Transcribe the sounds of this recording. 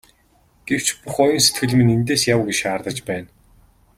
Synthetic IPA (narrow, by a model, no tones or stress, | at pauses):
ɡ̥ew̥t͡ɕpuχɔjɞ̆nse̥t̪ɡɘ̆ɮ̆mɘ̆nint̪eːsjawɡet͡ɕaːrt̪ə̆t͡ɕpæːn